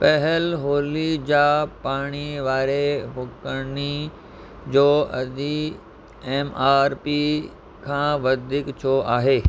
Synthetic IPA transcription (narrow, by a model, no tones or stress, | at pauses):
pɐɦɪlɦoːlid͡ʑaːpaːɽ̃iʋaːɾeɦʊkəni | d͡ʑoːɐd̪i | eːmaːɾpi | kʰãːʋɐd̪ʱɪkt͡ɕʰoʔaːɦeː